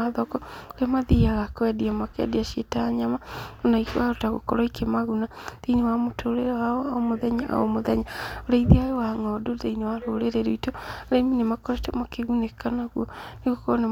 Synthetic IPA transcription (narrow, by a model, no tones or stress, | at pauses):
aðɔkɔoamaðiaɣakwɛdiamakɛ̰diaʃietaɲamaonaikwaotaɣo̰kɔ̰ɾɔikemaɣunadeinewamotʰoɾeɾawaɔaomoðɛɲaʔa̰o̰moðɛɲaoɾaiðeajowaŋɔdodeinewaɾoɾeɾeɾoitoɾeiminemakɔtemakeɣunekanaɣuɔneɣokɔne